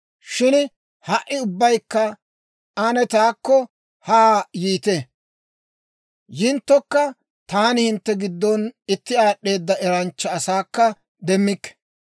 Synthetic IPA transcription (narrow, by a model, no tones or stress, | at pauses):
ʃɪn | hɐʔːɪʊbːɐjkːɐ | ɐnɛt̪aːkːɔ | haːjiːt̪ɛ | jɪnt̪ːɔkːɐ | t̪aːnɪhɪnt̪ːɛɡɪd̪ːɔnɪt̪ːɪaːɗːe̞ːd̪ːɐʔɛɾɐnt͡ʃːɐːsaːkːɐ | d̪ɛmːɪkːɛ̥